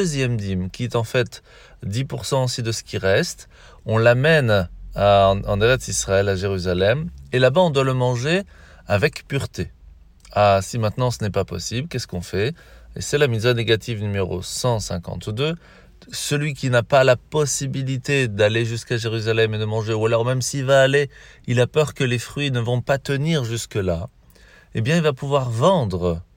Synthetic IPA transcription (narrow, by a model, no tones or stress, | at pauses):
øzjɛmd̪imkʲiɛt̪ɑ̃fɛt̪ | d̪ipuʁsɑ̃osid̪əsə̥kʲiʁɛst̪ | ɔ̃lamɛnaɑ̰̃d̪eʁɛt̪sisχaɛlaʒeʁyzalɛmelabaɔ̃d̪waləmɑ̃ʒe | avɛkpyʁt̪e | asimɛ̃t̪nɑ̃sənɛpapɔ̰siblkʲɛskɔ̃fɛ | ḛsɛlamizaneɡat̪ʰivnymeʁo̰sɑ̃sɛ̃kɑ̰̃t̪d̪ø | səlɥikʲinapalapɔsibilit̪ed̪aleʒyskaʒeʁyzalɛmed̪əmɑ̃ʒeualɔʁmɛmsilvaːle | ilapœʁkəlefχɥinəvɔ̃pat̪əniʁʒyskəla | ebjɛ̃ilvapuvwaʁvɑ̃d̪ʁə